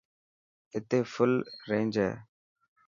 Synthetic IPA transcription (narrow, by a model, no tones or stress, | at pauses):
ɪt̪eːfʊlɾẽːnd͡ʒɦɛ̰ː